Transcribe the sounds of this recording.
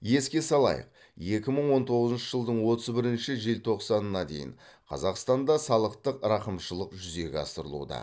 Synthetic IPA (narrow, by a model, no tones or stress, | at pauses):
je̞skʲe̞sɑlˠɑ̰jə̰q | je̞kʲɪməɴwo̞nt̪ʰo̞ʁəzənʃəʒəlˠd̪əɴwo̞t̪əzbɪɾɪnʃɪʒe̞lt̪ʰo̞qsɑnənɑd̪e̞̰jɪ̰ɴ | qʰɑ̰zɑqst̪ɑnd̪ɑsɑlˠəqt̪əqɾɑqəmʃəlˠəqʒʏze̞ɡʲeɑ̰st̪əɾəlˠṵd̪ɑ̰